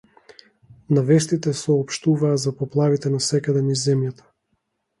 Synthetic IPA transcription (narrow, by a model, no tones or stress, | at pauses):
navɛst̪it̪ɛsɔːpʃt̪uvaːzapɔplˠavit̪ɛnasɛkad̪ɛnizɛmjat̪ʰḁ